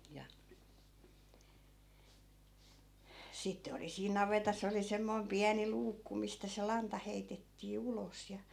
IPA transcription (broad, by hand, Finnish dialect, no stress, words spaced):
jɑ sitːe oli siːn nɑʋetɑs oli semːoi̯m piæni luːkːu mistæ se lɑntɑ heitetːiː ulos jɑ